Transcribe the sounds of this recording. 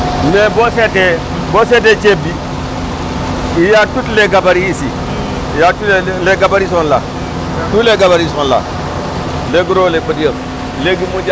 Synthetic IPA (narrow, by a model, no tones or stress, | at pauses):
nebosete | bosed̬et͡ʃebi | ijatutleɡabaɾiisḭ | jatuleɡabaɾis̬onla̰ | tuleɡabaɾisonla̰ | leɡuɾolebədijə | leɡimud͡ʒa